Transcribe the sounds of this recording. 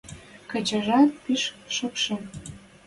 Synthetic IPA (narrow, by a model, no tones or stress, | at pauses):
kə̆t͡ɕə̆ʒɑt̪̚piʃʃəpʃe